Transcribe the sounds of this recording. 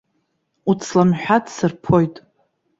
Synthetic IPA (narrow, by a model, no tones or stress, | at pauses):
ut͡sʰlamħʷᶣadʰsɨrpʰo̞jtʼ